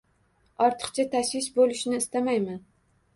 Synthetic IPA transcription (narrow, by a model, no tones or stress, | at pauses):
ɒɾt̪ʰɨ̥qt͡ʃʰat̪ʰaʃwɪsbolɪʃnɪːst̪amajman